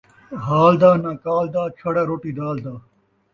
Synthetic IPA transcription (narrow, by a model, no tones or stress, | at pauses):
ɦaːld̪aːnaːkaːld̪aːt͡ʃʰɐɽaːɾoːʈiːd̪aːld̪aː